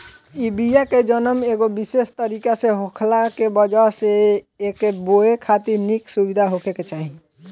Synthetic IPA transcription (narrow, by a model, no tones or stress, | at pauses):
ibijaked͡ʒənəmeɡobisest̪əɾikasẽɦokʰlakebəd͡ʒaseː | keboekʰat̪iɾniksubid̪ʱaɦokʰeket͡ʃaɦĩ